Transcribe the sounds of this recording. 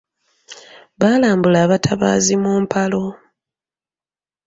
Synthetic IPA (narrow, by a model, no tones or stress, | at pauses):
βaːlaːmbulaːβatʰaβa̰ːzimuːmpʰalo̞